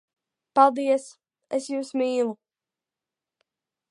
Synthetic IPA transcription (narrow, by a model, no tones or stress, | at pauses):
palˠd̪iɛs | esjuːsmiːlˠu